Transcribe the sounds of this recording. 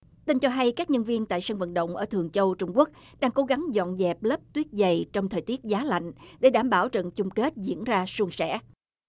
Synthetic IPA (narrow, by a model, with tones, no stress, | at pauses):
t̪ï˧nt͡ɕɔ˧ɦa˧jkaː˦˥k̚ɲə˧nvi˧ənt̪a̰ː˧˨jsaː˧nvə̰˧˨nɗə̰˧˨wŋ͡mʔəː˧˩t̪ɨ˨˩əŋt͡ɕə˧wt͡ɕʊ˧ŋ͡mku˦˥ək̚ | ɗaː˧ŋko˨˦ɣa˨˦ŋzɔ̰˧˨nzɛ˨˩p̚ləː˦˥p̚t̪wi˦˥ət̚zə˨˩jt͡ɕɔ˧wŋ͡mt̪ʰəː˨˩jt̪i˦˥ət̚zaː˨˦la̰˧˨jŋ̟ɗe˧˩ɗaː˧˩mɓaː˧˩wt͡ɕə̰˧˨nt͡ɕʊ˧ŋ͡mke˦˥t̚zḭ˧˥ənzaː˧su˧əŋsɛ̰˧˥